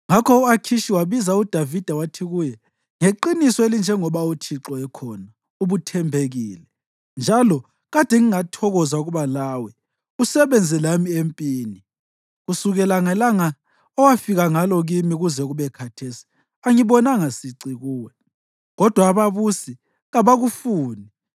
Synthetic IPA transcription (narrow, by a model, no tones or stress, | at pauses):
ŋakʰɔuakʰiʃiwaβizaud̥ʱavid̥ʱawatʰiɣujɛ | ŋeǃinisɔelind͡ʒʱɛŋɔβaut͡ʃʰiǁɔɛkʰɔna | uβutʰɛmbʱeɣiːlɛ | nd͡ʒʱalɔ | ɣad̥ʱɛŋiŋatʰɔɣɔzauɣuβalaːwɛ | usɛβɛnd͡zʱɛlamiempʼiːni | ɣusuɣɛlaŋalaŋa | ɔwafiɣaŋalɔɣimiɣuzɛɣuβɛkʰatʰeːsi̥ | aŋiβɔnaŋasiǀiɣuːwɛ | ɣɔd̥ʱwaːβaβusi | ɣaβaɣufuːni